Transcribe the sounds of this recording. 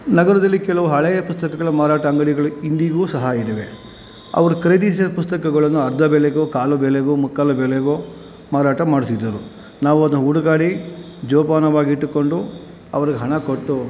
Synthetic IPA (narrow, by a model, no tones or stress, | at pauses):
nɐɡɐɾɐd̪ɐlːikɛlɐʋuɦɐɭɛjɐpust̪ɐkɐɡɐɭɐmaːɾaːʈɐːŋɡɐɽiɡɐɭuind̪iɡuːsɐɦajid̪ɐʋe̞ | ɐ̰ʋɐɾukɾeːd̪isɐpust̪ɐkɐɡɐɭɐnːuɐɾd̪ʱɐbɛleɡoːkaːlubɛleɡomukːaːlɐbɛleɡo | maːɾaːʈɐmaːɽisid̪ːɐɾu | naːʋuɐd̪uuɽuɡaːɽi | d͡ʒɔːpaːnɐʋaːɡiiʈːuko̞ɳɖu | ɐ̰ʋɐɾiɡeɦɐɳɐkoʈːu